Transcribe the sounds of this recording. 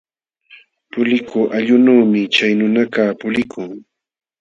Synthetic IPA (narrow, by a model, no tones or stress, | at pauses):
pʊlɪkʊʔaʎʊnuːmɪt͡ʃajnʊnakaːpʊlɪkʰʊŋ